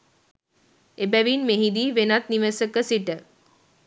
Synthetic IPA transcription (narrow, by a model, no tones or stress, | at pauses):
ebæʋinmeɦid̪iːʋenat̪niʋəsəkəsiʈə